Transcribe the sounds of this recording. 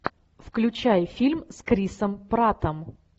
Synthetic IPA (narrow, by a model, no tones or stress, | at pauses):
fklʲʉt͡ɕæjfʲilʲmskɾʲisəmpɾat̪əm